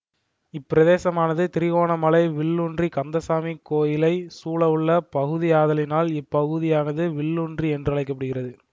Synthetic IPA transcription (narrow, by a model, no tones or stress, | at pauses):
ɪpːɪɾɐðeːsɐmaːnɐðɯt̪ɪɾɪɣoːnɐmɐlɐɪʋɪɭːundrikɐnd̪ɐsaːmikːoːjɪlɐɪsuːɭɐʋɯɭːɐpɐɣɯðɪjaːðɐlɪnaːlɪpːɐɣɯðɪjaːnɐðɯʋɪɭːundriɛndrɐɭɐɪkːɐpːɐɽɯɣɪrɐðɯ